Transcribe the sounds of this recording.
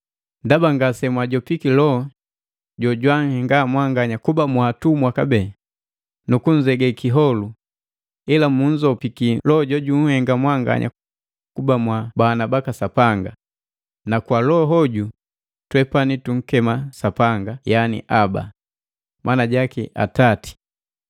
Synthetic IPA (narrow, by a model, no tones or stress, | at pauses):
ndabaŋɡasɛmwaɟɔpikilɔ | ɟɔɟwaŋ̩hɛŋɡamwaŋɡaɲakubamwaːtumwakabɛ | nukuɲ̩d͡ʒɛɡɛkiɦɔlu | ilamuɲ̩d͡ʒɔpikilɔɟɔɟuŋ̩hɛŋɡamwaŋɡa̰ɲʔa̰ | kubamwabanabakasapaŋɡa | nakwalɔɦɔɟu | twɛpanituŋ̩kɛmasapaŋɡajanḭʔaba̰ | mʔanaɟakiʔa̰tati̥